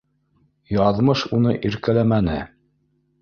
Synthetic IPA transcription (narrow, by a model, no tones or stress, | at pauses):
jɑðmɤʃunɤʔiɾkælæmænɘ̰